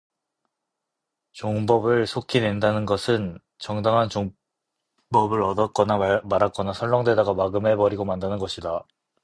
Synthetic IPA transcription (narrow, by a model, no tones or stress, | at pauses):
t͡ɕoŋbʌbɯɭsʰokʰine̞ndanɯnɡʌsʰɯn | t͡ɕʌŋdaŋɦant͡ɕoŋ | bʌbɯɾʌdʌk͈ʌnamaɾak͈ʌnasʰʌɭːʌŋdwe̞daɡamaɡɯme̞bʌɾiɡomandanɯnɡʌɕʰida